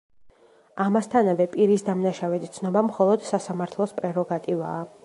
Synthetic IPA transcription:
amast̪ʰanavɛpʼiɾisd̪amnaʃavɛt̪ʰit̪sʰnɔbamχɔlˠɔd̪̥sasamaɾt̪ʰlˠɔspʼɾɛɾɔɡat̪ʼiva̰ː

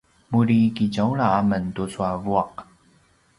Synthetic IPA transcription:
muɾikiɟawɭaaməntut͡suavuaq̚

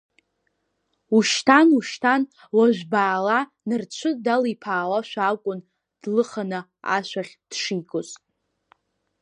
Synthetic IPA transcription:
uʃtʰanuʃtʰan | waʒʷᶣbaːla | nɨrt͡ɕʷʰɨdalipʰaːwaʃʷᶣaakʷʼʊn | d̥lɨχanɨ | a̰ʃʷᶣaχʲd̥ʂijkʰʼosʼ

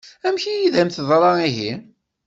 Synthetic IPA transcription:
æmçijiðæmθðˤɾˤɑiɦi

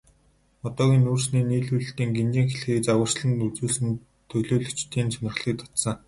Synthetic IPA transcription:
ɔt̪ɔːɣʲiːnuːrsniːniːɮujɮ̆ɬt̪iːŋɡent͡ɕiːŋxeɮxiːkt͡sawə̆r̥ʃɮə̆nt̪ut͡suːɮsɘ̆n | t̪ʰːɵɮoːɮɵ̥t͡ɕt̪iːnsʰanɪ̆χɮiːk̚t̪ʰɔt̪sə̆

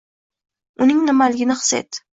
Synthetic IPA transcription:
ʊnɪŋnɪmalɪɡʲɪnɪχsḛt̪

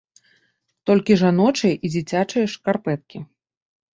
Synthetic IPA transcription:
t̪ɔlʲkʲiʐanɔt͡ʂɨjɐʔid͡zʲit͡sʲat͡ʂɨjɐʂkarpɛt̪̚kʲi

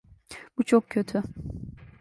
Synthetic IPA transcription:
b̥ut͡ʃʰokcʰøt̪ʰy

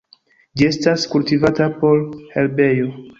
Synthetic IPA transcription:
d͡ʒie̞staskultivatapo̞lhe̞lbe̞jo

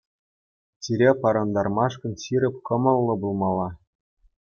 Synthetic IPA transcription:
t͡ɕiɾʲepɑɾɑnd̪ɑrmɑʂkɤ̆nɕiɾʲɘ̆p̚ʲkɤ̆mɤ̆lˠːɤ̆bulˠmɑlˠːɑ

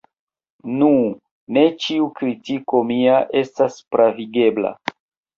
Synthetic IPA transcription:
nu | ne̞t͡ʃiukɾitiko̞miaʔe̞staspɾaviɡe̞bla̰

